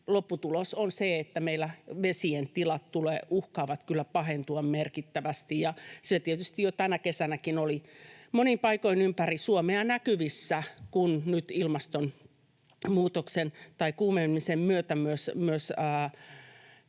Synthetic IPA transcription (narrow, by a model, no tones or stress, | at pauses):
lopːut̪ulosonseet̪ːæmeilːæʋesient̪ilɑt̪t̪ulḛːʔuhkɑːʋɑt̪kylːæpɑhent̪uɑmmerkit̪ːæʋæst̪ijjɑset̪iet̪yst̪ijot̪ænækesænækinolimonimpɑikoinympærisuomeɑnækyʋisːækunnyt̪ilmɑst̪on | muːt̪oksent̪ɑikuːmemːisemmyøt̪æmyøsmyøsəː